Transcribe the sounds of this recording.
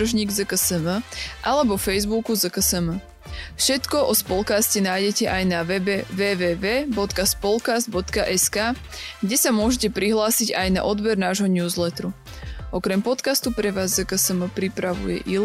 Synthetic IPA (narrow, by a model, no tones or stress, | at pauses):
r̩ʒɲiːɡzəkəsəməʔalɛbɔfɛjzbukuzəkəsəmə | fʃɛt̪kɔʔɔspɔlkascɛnaːjɟɛcɛʔajnaʋɛbɛʋɛːʋɛːʋɛːbɔt̪kaspɔlkazd̪bɔt̪kaʔɛskaː | ɡɟɛsamʊɔʒɛcɛpɾiɦlaːsiɟajna̰ʔɔd̪bɛɾnaːʒɦɔɲuːzlɛt̪ɾu | ɔkɾɛmpɔt̪kast̪upɾɛʋaːzːəkəsəməpɾipɾaʋṵjɛ̰ʔil